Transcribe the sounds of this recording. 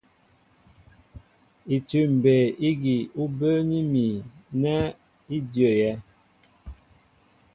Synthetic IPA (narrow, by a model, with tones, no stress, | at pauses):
i˨tʉ˨m̩˨be˨i˦ɡi˨u˦bə˦ni˦mi˨nɛ˦ | i˦djə˨jɛ˦